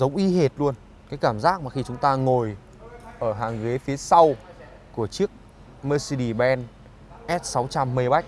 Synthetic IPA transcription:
zə˨˦wŋ͡mʔi˨˦ɦe˨˩t̚lu˧ən | kaː˨˦jkaː˧˩mzaː˦˥k̚maː˨˩xi˧t͡ɕʊ˨˦ŋ͡mt̪aː˧ŋo˨˩j | ʔəː˧˩ɦaː˨˩ŋɣe˨˦fi˨˦əsa˧w | ku˧˩ət͡ɕɨ˦˥ək̚ | məː˧si˧ɗi˧˩ɓɛ˧n | ʔɛ˦˥t̚sa˨˦wt͡ɕa˧mːə˧jɓa˦˥jk̚

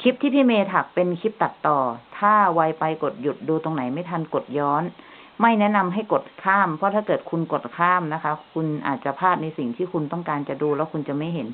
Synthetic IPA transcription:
kʰi˦˥p̚t̪ʰiː˥˩pʰiː˥˩˨meː˧t̪ʰa˨˩k̚pe˧nkʰi˦˥p̚t̪a˨˩t̪ːɔː˨˩t̪ʰaː˥˩wa˧jpa˧jko˨˩t̪̚ju˨˩t̪̚duː˧t̪o˧ŋna˩˦jma˥˩jt̪ʰa˧nko˨˩t̪̚jɔː˦˥n | ma˥˩jnɛ˦˥na˧mɦa˥˩jko˨˩t̪̚kʰaː˥˩mpʰɾɔ˦˥t̪ʰaː˥˩kɤː˨˩t̪̚kʰu˧nko˨˩t̪̚kʰaː˥˩mna˦˥kʰa˦˥kʰu˧nʔa̰ː˨˩t̪̚t͡ɕa˨˩pʰaː˥˩t̪̚na˧jsi˨˩ŋt̪ʰiː˥˩kʰu˧nt̪ɔ˥˩ŋkaː˧nt͡ɕa˨˩duː˧lɛː˦˥wkʰu˧nt͡ɕa˨˩ma˥˩jɦe˩˦n

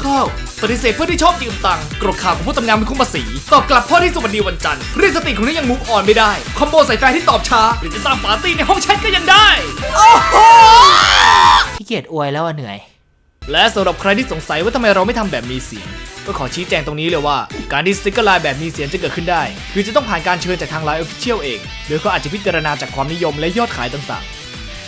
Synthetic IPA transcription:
kʰa˥˩w | pa˨˩t̪i˨s̬eː˨˩t̪̚ʰɯ˥t̪iː˥˩t͡ɕʰɔː˥˩p̚ki˧˩ʔu˨˧˩t̪a˧ŋkɾo˨˩t̪̚kʰaː˨˩wʰɔ˨˦pʰuː˥˩t̪ʰŋaː˧nma˧ku˧˥˩mpʰaː˧siː˩˦t̪ɔː˨˩p̚kla˨˩p̚ʰːɔː˥˩t̪ʰiː˥˩su˨˩wa˧n̚diː˧wa˧nt͡ɕa˧nʰɾi˥˩ək̚sa˧t̪i˨kʰːniː˦˥ja˧ŋmu˦˥p̚ʔɔː˨˩nma˥˩daː˥˩jkʰa˧mboː˧nsa˨˦jfɛː˧˥t̪ʰiː˥˩t̪ɔː˨˩p̚t͡ɕʰaː˦˥ɾɯː˦˥˩t͡ɕa˨˩saː˥˩mfaː˨˦siː˧˩na˧jɦɔ˥˩ŋt͡ɕʰɛ˦˥t̪̚kɔ˥˩ja˧ŋdaː˥˩jʔo˧ | iː˥˩ki˨˩ət̪̚ʔu˧əjlɛː˦˥wʔa˧nːɯ˨˩˦əj | lɛ˦˥sa˨˦mɾa˨˩p̚kʰɾa˧jt̪ʰiː˥˩so˩˦ŋsa˨˩˦jwaː˧˥˩t̪ʰa˧ma˧jɾa˧wma˥˩jt̪ʰa˧mbɛː˨˩p̚miː˧sḭ˨˩˦ənkɔː˥˩kʰɔː˩˦t͡ɕʰiː˦˥t͡ɕɛː˧ŋt̪o˧ŋniː˦˥lɯː˧jwaː˥˩kaː˧nt̪i˥˩sa˧i˦˥kɤː˥˩laː˧jbɛː˨˩p̚miː˧si˨˩˦ənt͡ɕa˨˩kɤː˨˩t̪̚kʰɯ˥˩ndaː˥˩j | kʰɯː˧˩t͡ɕa˨˩t̪ɔ˥˩ŋpʰaː˨˩nkaː˧nt͡ɕʰɤː˧nt͡ɕaː˨˩kt̪ʰaː˧ŋlaː˧˥jʔo˧˥fi̥˦˥t͡ɕʰi˥˩əwʔeː˧ŋ | doː˧˦jkʰɔː˦˥aː˨˩t̚t͡ɕa˨˩pʰi˦t̪̚t͡ɕa˧ɾa˧naː˧t͡ɕaː˨˩kʰwaː˧mni˦˥jo˧mlɛ˦˥jɔː˥˩t̪̚kʰaː˩˦jt̪aː˨˩ŋsa̰ː˨˩˦ŋ

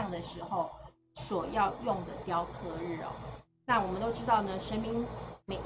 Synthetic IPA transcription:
ŋd̪ə˩ʂɻ̩˧˥xo˨˩ʊ | swɔ˨˩jɑ˥˧ʊjʊ˥˩ŋd̪ə˩t̪jɑ˥ʊkʰɤ˧˥ɻɻ̩˥˩ɔ̰˨˦ | na˥˩wɔ˨˩mə˦nt̪o˥ʊʈ͡ʂɻ̩˥t̪ɑ˥˩ʊnə˩ʂə˥nmi˥ŋme˨˩

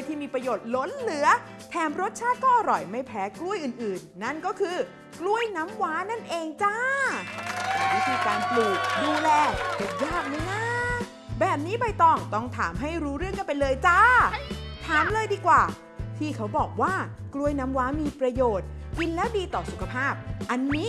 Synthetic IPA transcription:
jt̪ʰiː˥˩miː˧pɾa˧joː˨˩t̪̚lo˦˥nlɯ˨˩˦ə | t̪ʰɛː˨˩˦mɾo˦˥t̪̚t͡ɕʰaː˥˩t̪̚kɔː˥˩ʔa˧ɾɔ˨˩jma˥˩jpʰɛː˨˦˥klu˥˩jʔɯː˨˩nʔɯː˨˩nːa˥˩nkɔː˥˩kʰɯː˧ | klu˥˩əjna˦˥mwaː˦˥na˥˩nʔeː˧ŋt͡ɕa˥ | a˧˩ma˥˩jt̪ʰiː˧kaː˧npluː˨˩k̚duː˧lɛː˧te˨˩t̚jaː˥˩k̚ma˧˦jna˥˩ | bɛː˨˩p̚niː˦˥ba˧jt̪ɔː˧˩ŋt̪ɔ˥˩ŋt̪ʰa̰ː˩˦mɦa˥˩jɾuː˦˥ɾɯ˥˩əŋka˧pe˧nlɤː˧jt͡ɕa˦˥˩ | t̪ʰaː˨˦mlɤː˧jdiː˧kwaː˨˩ | t̪ʰiː˥˩kʰa˦˥wbɔː˨˩k̚waː˥˩klu˥˩əjnaː˦˥mwaː˦˥miː˧pɾa˧joː˨˩t̪̚ki˧nlɛː˦˥wdiː˧t̪ɔː˨˩su˨˩kʰa˧pʰaː˥˩p̚ʔa˧nːiː˦˥

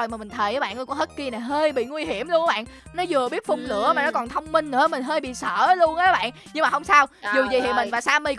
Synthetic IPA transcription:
jmaː˨˩mï˨˩ŋ̟t̪ʰə˨˩jəː˨˦ɓa̰ː˧˨nə˧˩kʊ̰˧˨˦ŋ͡mhə˦˥t̚ki˧na˨˩ɦəː˧jɓḭ˧˨ŋwi˧ɦi˧˩əmlu˧əna˨˦ɓa̰ː˧˨nnɔ˨˦zɨ˨˩əɓi˦˥ət̚fʊ˧ŋ͡mlɨ̰˧˥əmaː˨˩nɔ˨˦kɔ˨˩nt̪ʰə˧wŋ͡mmï˧ŋ̟nɨ̰˧˥ə˦mï˨˩ŋ̟ɦəː˧jɓḭ˧˨sə̰ː˧˨˦lu˧ənʔə˨˦jɓa̰ː˧˨n | ɲɨ˧ŋmaː˨hə˧wŋ͡msaː˧wzu˨˩zi˨˩hḭ˨mï˨˩ŋvaː˨˩saː˧mi˧

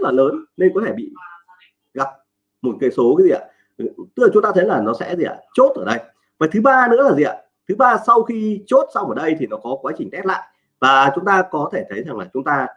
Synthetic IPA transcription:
zə˦˥t̚laː˨˩ləː˨˦nne˧nkɔ˨˦t̪ʰe˧˩ɓḭ˧˨ | ɣa˨˩p̚ | mo˨˩t̚kaː˨˦jso˨˦ka˨˦jzi˨˩ʔa̰ː˧˩ | t̪ɨ̥˦˥klaː˨˩t͡ɕʊ˨˦ŋ͡mt̪ːt̪ʰə˨˦jlaː˨˩nɔ˨˦sɛ̰˧˥zi˨˩ʔa̰ː˧˩t͡ɕo˦˥t̚ʔəː˧˩ɗə˧j | vaː˨˩t̪ʰɨ˨˦ɓaː˧nɨ̰˧˥əlaː˨˩i˨˩ʔa̰ː˧˨˩ | t̪ʰɨ˨˦ɓaː˧sa˧wxi˧t͡ɕo˦˥t̚sa˧wʔəː˧˩ɗə˧jt̪ʰi˨˩nɔ˨˦kɔ˨˦kwaː˨˦t͡ɕï˨˩ŋ̟t̪ɛ˦˥la̰ː˧˨j | vaː˨˩t͡ɕʊ˨˦ŋ͡mt̪aː˧kɔ˨˦t̪ʰe˧˩t̪ʰə˨˦jza˨˩ŋlaː˨˩t͡ɕʊ˨˦ŋ͡mt̪aː˧

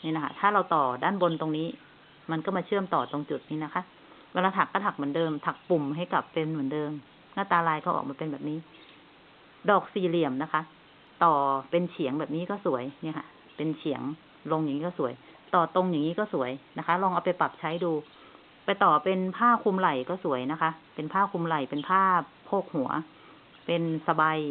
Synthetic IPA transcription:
niː˧na˦˥kʰa̰˧˥t̪ʰaː˥˩ɾa˧wt̪ɔː˨˩daː˥˩nbo˧nt̪o˧ŋniː˦˥ | ma˧nkɔː˥˩maː˧t͡ɕʰɯ˥˩əmt̪ɔː˨˩t̪o˧ŋt͡ɕu˨˩t̪̚niː˧˥˩na˦˥kʰa˦˥ | waː˧laː˧t̪ʰa˨˩kːa˧˩t̪ʰa˨˩k̚mɨ˩˦ə˦ndɤː˧mt̪ʰa˨˩k̚pu˨˩mɦa˧˥˩jka˨˩pːe˧nmu˩˦əndɤː˧m | naː˥˩t̪aː˧laː˧jkʰɔ˧˥˩ʔk̚maː˧pe˧nbɛː˨˩p̚niː˦˥ | dɔː˨˩k̚siː˨˩li˨˩əmna˦˥kʰa˦˥ | t̪ɔː˨˩pe˧nt͡ɕʰi˨˩˦əŋbɛː˨˩p̚niː˦˥kɔː˥˩su˨˩˦əjni˧˥˨kʰa̰˧˥ | pe˧nt͡ɕʰi˨˩˦əŋ | lo˧ŋja˨˩ŋiː˦˥kɔː˥˩su˨˩˦əj | t̪ɔː˨˩t̪o˧ŋja˨˩ŋːiː˦˥kɔː˥˩su˨˩˦əjna˦˥kʰa˦˥lɔː˧ŋʔa˧wpa˧jpa˨˩p̚t͡ɕʰa˦˥jduː˧ | pa˧jt̪ɔː˨˩pe˧npʰaː˥˩kʰu˧mla˨˩jkɔː˥˩su˨˩˦əjna˦˥kʰa˦˥ʔpe˧npʰaː˥˩kʰu˧mla˨˩jpe˧npʰaː˥˩pʰoː˥˩k̚hu˨˩˦ɐ̰ | pe˧nsa˧ba˧j

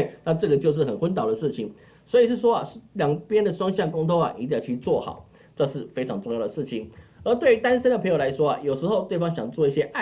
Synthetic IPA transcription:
na˥˧ʈ͡ʂɤ˥˩ɡə˩t͡ɕjo˥˧ʊʂ̬ɻ̩˥˩xə˨˩nxwə˥nt̪ɑ˨˩ʊd̪ə˩ʂɻ̩˥˩t͡ɕʰi˨˩ŋ | swɔ˧˥i˨˩ʂɻ̩˥˩ʂwɔ˥ɐ˨ljɑ˨˩ŋpjɛ˥nd̪ə˨ʂwɑ˥ŋɕjɑ˥˩ŋkʊ˥ŋt̪ʰo˥ʊɐ̰˨ʔi˧˥t̪t͡ɕʰy˥˧t͡swɔ˥˩xɑ̰˨˩˦ʊ | ʈ͡ʂɤ˥˧ʂɻ̩˥˩fe˥ɪʈ͡ʂʰɑ˧˥ŋt͡sʊ˥˧ŋjɑ˥˩ʊd̪ə˩ʂɻ̩˥˩t͡ɕʰi˨˩nə˞˧˥t̪we˥˩y˧˥t̪a˥nʂə˥nd̪ə˨pʰə˧˥ŋjo˨˩la˧˥ɪʂwɔ˥a̰˨jo˨˩ʊʂɻ̩˧˥xo˥˧ʊt̪we˥˩ɪfɑ˥ŋɕjɑ˨˩ŋt͡swɔ˥˧i˥˩ɕjɛ˥ʔa˥˩

